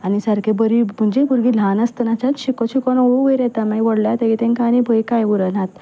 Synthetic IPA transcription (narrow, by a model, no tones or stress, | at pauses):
anisəɾkʰebəɾim̤əɳd͡ʑebuɾɡiːlanəst̪ənat͡ɕat̪ɕikɔɕikɔnɔuɡəjɾɛt̪amajʋɔɽljat̪eɡit̪ẽnkanĩbʱəjkajʋuɾənat̪